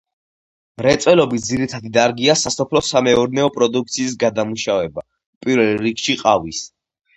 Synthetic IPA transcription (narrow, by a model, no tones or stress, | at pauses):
mɾɛt̪sʼwɛlɔbit̪̚d̪ziɾit̪ʰad̪id̪aɾɡiasasɔpʰlɔsamɛɔɾnɛɔpʼɾɔd̪uk̚t̪sʰiːs̬ɡad̪amuʃavɛba | pʼiɾvɛlɾikʃiqʼavis